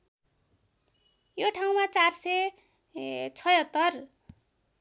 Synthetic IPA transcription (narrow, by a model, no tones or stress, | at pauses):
joʈʰaw̃mat͡sarsʌj | t͡sʰʌjʌt̪ːʌr